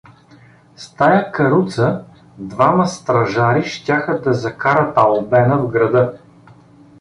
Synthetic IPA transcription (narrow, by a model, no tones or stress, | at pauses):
st̪ajakɐɾut̪sə | d̪vamɐst̪ɾɐʒaɾiʃtʲaxəd̪ɐzɐkaɾət̪ɐlˠbɛnəvɡɾɐd̪ɤ